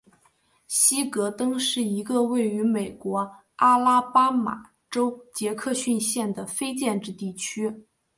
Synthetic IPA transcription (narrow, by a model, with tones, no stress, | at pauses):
ɕi˥kɤ˧˥t̪ɤ˥ŋʂɻ̩˥˩i˧˥ɡə˧we˥˩ɪy˧˥me˨˩ɪkwɔ˧˥ | a˥la˥pa˥ma̰˨˩ | ʈ͡ʂo˥ʊt͡ɕjɛ˧˥kʰɤ˥˧ɕy˥˧nɕjɛ˥˩nd̪ə˩fe˥ɪt͡ɕjɛ˥˧nʈ͡ʂɻ̩˥˧t̪i˥˩t͡ɕʰy˥